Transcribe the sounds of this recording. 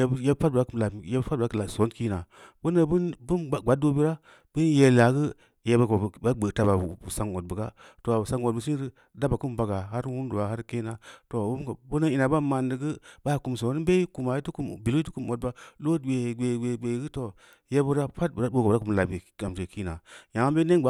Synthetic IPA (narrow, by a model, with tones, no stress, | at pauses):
je˦pa˦t̚ba˦ku˨la˨je˦bpa˦t̚bkla˨so˨˦nki˦na˨bo˦na˦bu˦nbu˦n˨ɡa˨˦t̚do˦bi˦ɾa˦ | b̥ə˦je˨la˨ɡə˦ | je˨ba˦ɡ͡be˨ta˨ba˨sa˨ŋo˨t̚bə˨ɡa̰˦to˨sa˦ŋo˨bə˨s̬i˦ɾi˦ | da˦ba˨ku˦mba˨ɡa˨ɦa˦ɾwu˦ndu˨a˨ha˦ɾke˦na˨to˨bu˦m˦ɡa˨bo˦na˦i˨na˨ba˦ma˨ndɨ˨ɡɨ˦ba˦˨ku˨ms̬o˨˦n˦be˦ku˨ma˨i˦tu˦ku˨m˨bi˨lo˦i˦tu˦ku˨mo˨t̚ba˨lo˦˨ɡe˨ɡe˨ɡe˨ɡ͡be˨˦ɡɨ˦to˨ | je˦bə˦ɾa˦fa˦t̚bɾa˦bo˦ko˨˦a˦ku˨m˨la˨i˨ka˨mte˨ki˦na˨ja˨ŋ˦be˦ne˦ɡ͡ba˨˦